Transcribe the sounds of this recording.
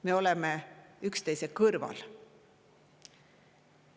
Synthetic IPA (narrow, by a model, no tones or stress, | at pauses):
me̞o̞lemeykst̪e̞jsekɤrvɑ̰l